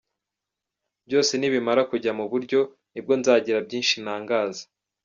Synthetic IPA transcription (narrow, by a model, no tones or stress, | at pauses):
bjo̞ːse̞niβimaɾakuɟamuβuɾɟo̞ | nib̚ɡo̞nzaːɟiɾabɟiːnʃinaːŋɡaːzḁ